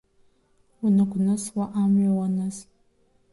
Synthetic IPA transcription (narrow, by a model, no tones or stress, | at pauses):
ʊnɐkʷʊnɐswaʔaːmɥɔwɐnɐs